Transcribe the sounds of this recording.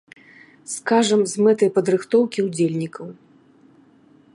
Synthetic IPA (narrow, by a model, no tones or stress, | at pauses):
skaʐɐmzmɛt̪ɐjpɐd̪ɾɨxt̪ɔwkʲiud͡zʲelʲnʲikɐw